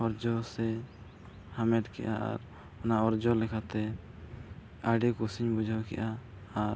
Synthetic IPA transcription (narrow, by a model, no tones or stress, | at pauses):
ɔɾd͡ʒɔsɛ | hamɛʈkɛ̰ʔaa̰ɾ | ɔnaɔɾd͡ʒɔlɛkʰat̪ɛ | aɖikusiɲbud͡ʒʱawkɛ̰ʔaː | ɾ